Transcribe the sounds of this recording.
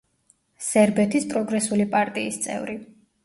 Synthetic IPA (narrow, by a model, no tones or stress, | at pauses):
sɛɾbɛt̪ʰispʼɾɔɡɾɛsulipʼaɾt̪ʼiːst̪sʼɛ̰vɾi